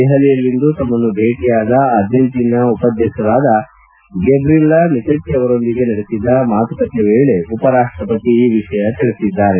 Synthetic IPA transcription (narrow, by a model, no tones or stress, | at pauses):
ɛɦɐlijɐlːind̪ut̪ɐmːɐnːub̪ʱeːʈijaːd̪ɐːd̪jɐnt̪inɐupɐd̪ʱjɐʃɐɾaːd̪ɐ | ɡebɾilɐnit̪ɐʈːijɐʋɐɾo̞nd̪iɡe̞nɐɽesid̪ːɐmaːt̪ukɐt̪ːeʋeːɭe̞upɐɾaːʂʈɾɐpɐt̪iːʋiʂɐjɐt̪iɭesid̪ːaːɾe